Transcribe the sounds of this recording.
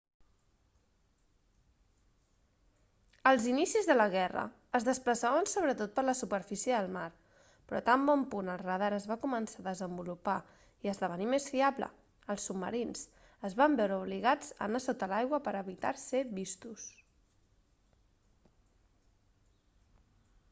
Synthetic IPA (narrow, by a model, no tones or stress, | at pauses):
əlˠzinisizðələɣɛrə̰ | əzðəspləsaβənsoβɾət̪ot̪̚pəɾləsupəɾfisiəðəlˠmaɾ | pɾɔ̰t̪ambɔmpunəlˠrəðaɾəzβakumənsaðəzəmbulupa | iəzðəβ̞ənimesfiaβlə̰ | əlˠsːubmə̰ɾins | əzβambɛwɾəuβliɣad͡zə̰nasot̪əlajɣwəpəɾəβit̪a̰ɾseβist̪us